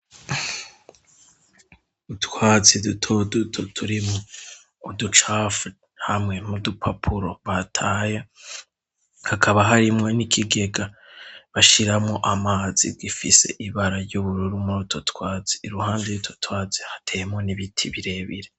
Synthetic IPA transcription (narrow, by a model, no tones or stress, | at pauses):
utwaːt͡sidutʰodutʰotʰuɾimoː | dut͡ʃafu | hamŋe̞mudupʰapʰuɾo̞βatʰaje | hakʰaβaɦaɾimŋo̞nikʰiɡe̞ɡa | βaʃiɾamŋo̞ʔamaːzḭɡifise̞̰ʔiβaɾaɾɟuβuɾuɾumuɾotʰotwaːt͡si̥ːɾuhaːndejutwotwaːt͡sehḁtʰejemŋo̞niβitʰiβiɾe̞βḭɾe